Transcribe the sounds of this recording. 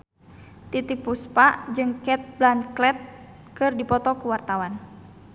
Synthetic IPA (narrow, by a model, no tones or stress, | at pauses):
t̪it̪ik̚puspad͡ʒɨŋkɛt̪̚blanklɛt̪̚ | kɨrdipɔt̪ɔkuwart̪awan